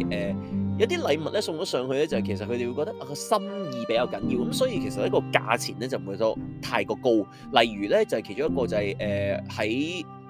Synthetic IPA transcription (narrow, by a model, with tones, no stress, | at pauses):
ʔɛː˨jɐ˨˧wt̪iː˥lɐ˨˧jmɐ˨lɛː˥sʊ˧ŋt͡ʃɔː˨˥sœː˨˧ŋhɵ˧ɥlɛː˥t͡sɐ˨hɐ˨˩kʰe˨˩sɐ˨kʰɵ˧t̪e˨wu˧jkɔː˧kt̪ɐ˥ʔaː˨˧kɔː˧sɐ˥mjiː˨˧pe˨˥jɐː˨˧wkɐ˨˥njiː˧wkɐ˨˥msɔː˨˥jiː˧kʰe˨˩sɐt̚jɐ˥kɔː˧ka̰ː˧t͡sʰiː˨˩nɛː˥t͡sɐ˨wm̩˨u˨˧jt̪ɔː˥t̪ʰaː˧jkɔː˧ko˥w | lɐ˨˩jɥyː˨˩lɛː˥t͡sɐ˨whɐ˨kʰe˨˩t͡ʃʊ˥ŋjɐ˥kːɔː˧t͡sɐ˨hɛ˨˩jʔɛː˨˩hɐ˨˥j